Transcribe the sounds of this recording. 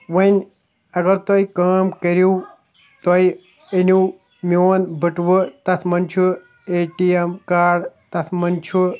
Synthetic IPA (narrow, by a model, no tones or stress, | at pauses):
ʋɐnʲ | ɐɡɐɾt̪ojkaːmkɐɾju | t̪oj | enu | mjoːnbɐʈʋɨt̪ɐt̪ʰmɐnʲt͡ʃʰu | eːʈiemkaːɖt̪ɐt̪ʰmɐnʲt͡ʃʰu